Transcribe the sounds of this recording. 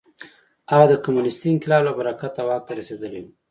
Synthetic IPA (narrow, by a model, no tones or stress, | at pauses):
aɣad̪əkamunɪst̪iŋkɪlɑblabaɾakat̪awɑk̚t̪aɾased̪əleu